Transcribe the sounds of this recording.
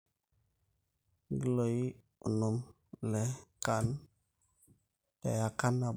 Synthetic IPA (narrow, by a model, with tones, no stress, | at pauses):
ɡi˦lo˨ji˦ | u˨nu˨m | lɛ˨ka˨n | ta̰˨ja˨ka˦nːa˨